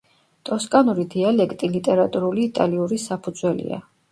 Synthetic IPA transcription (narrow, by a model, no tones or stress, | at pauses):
t̪ʼɔskʼanuɾid̪ialɛkʰt̪ʼilit̪ʼɛɾat̪ʼuɾuliːt̪ʼaliuɾisapʰud̪zwɛlḭa̰